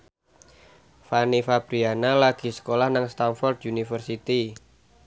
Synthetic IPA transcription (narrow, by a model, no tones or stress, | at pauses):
fanifab̥ɾianalaɡ̥i̤sə̥kolahnaŋst̪anfɔrd̪unifərsit̪i